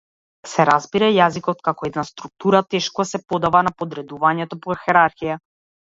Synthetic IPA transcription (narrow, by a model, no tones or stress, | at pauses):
sɛɾazbiɾajazikɔt̪kakɔɛd̪nast̪ɾuk̚t̪uɾat̪ɛʃkɔsɛpɔd̪avanapɔd̪ɾɛd̪uvaɲɛt̪ɔpɔxɛɾaɾxija